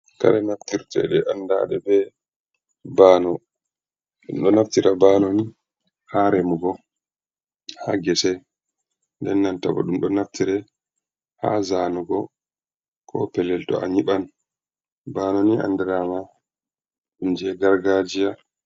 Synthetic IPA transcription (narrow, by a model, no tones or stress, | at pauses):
ka̰ɾɛnaftiɾtʰɛ̰ɗɛʔanda̰ɗɛbɛ | baːnɔ | ɗumɗɔnaftiɾabanɔni | haɾɛmuɡɔ | haɡɛsɛ | ndɛnːantabɔ̰ɗumɗɔnaftʰiɾɛ | ha̰zaːnuɡɔ | kʰɔ̰pɛlːɛltɔ̰ʔaɲiɓan | baːnɔnia̰ndɛɾama | ɗumd͡ʒɛɡaɾɡad͡ʒija